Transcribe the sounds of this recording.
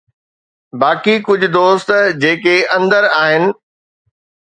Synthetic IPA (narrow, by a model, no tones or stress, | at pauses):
baːkikʊd͡ʑʱʊ̆d̪oːst̪d͡ʑeːkeʔɐ̃nd̪əɾaːɦɪnɪ̆